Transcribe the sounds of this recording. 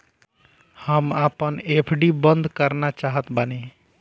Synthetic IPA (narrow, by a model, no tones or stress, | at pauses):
həmapənepʰɖibənd̪ʱkəɾnat͡ʃaɦət̪bəne